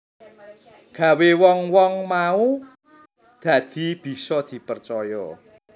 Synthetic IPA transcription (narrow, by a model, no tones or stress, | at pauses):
ɡ̥ä̤wewɔŋwɔŋmau | d̪̥ä̤d̪̥i̤b̥i̤sɔd̪̥i̤pərt͡ʃɔjɔ